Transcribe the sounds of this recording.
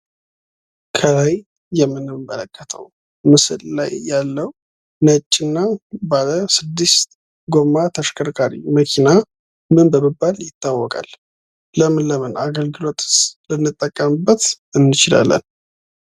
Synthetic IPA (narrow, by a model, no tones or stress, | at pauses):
kʰəlajː | ɛmːɨnːɨmːə̰ləkʰːət̪ʰə̰w | mɨsɨlla̰jːalːəw | nət͡ʃʼːɪnːabaləsɨd̪ːist̪ | ɡo̞mat̪ʰəʃkʰəɾkʰʼaɾḭməkʰina | mɨnbəmɨbːaljɪt̪ːawːɔkʼa̰l | ləmɨnləmənʔaɡəlɡɨlo̞t̪ʼɨ̥slɨnːɨt̪ʼːəkʼːəmɨbːət̪ | ɨnːɨt͡ʃɪla̰lːə̰n